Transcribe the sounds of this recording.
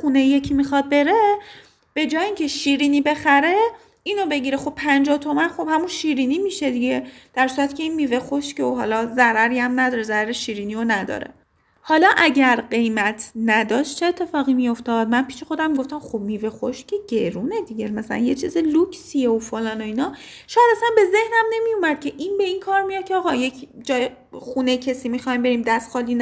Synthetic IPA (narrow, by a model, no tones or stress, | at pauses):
xunejijecʰimixɒd̪̚be̞ɾe̞ | b̥e̞d͡ʒɒːjeiŋcʰe̞ʃiːɾiːnibe̞xæɾe̞ | ino̞be̞ɟiɾexo̞b̚pʰænd͡ʒɒːht̪ʰo̞mænxo̞b̥hæmunʃiːɾiːniːmiːʃe̞d̪iɟe̞d̪̥æɾsuːɾæt̪ʰi̥cʰe̞inmiːvexo̞ʃceoɦɒːlɒzæɾæɾiæmnæd̪ɒːɾezæɾæɾeʃiːɾiːnionæd̪ɒ̰ɾḛ | hɒlɒʔæɟæɾɢe̞jmæt̪ʰnæd̪ɒːʃt̪t͡ʃʰe̞ːt̪ʰːe̞fɒːɣimijo̞ft̪ɒːd̪̚mænpʰiːʃexod̪æmːiɡo̞ft̪æmxobmiːve̞xoʃcʰeɟeɾune̞d̪iɟemæsælæ̰njet͡ʃʰiːzelukʰsieofolɒːnoiːnɒ | ʃɔːjæd̪æsænbe̞ze̞hnæmne̞mijomæd̪̥̚cʰeʔinbe̞inkʰɒːɾmijɒd̪̚cʰeɒːɣɒje̞cʰd͡ʒɒːje | xunejcʰesiːmixɒimbe̞ɾiːmd̪æst̪xɒːliːn